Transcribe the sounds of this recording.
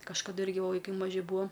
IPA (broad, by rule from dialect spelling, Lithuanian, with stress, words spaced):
kɐʃkɐˈdʊ ˈɪrʲɡʲɪ ˈʋɐ ʋɐɪˈkɐɪ mɐˈʒʲɪ ˈbuːɐ